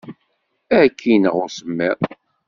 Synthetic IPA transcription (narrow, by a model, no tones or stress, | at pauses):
ækʰːinəʁʊɾsəmːiðˤ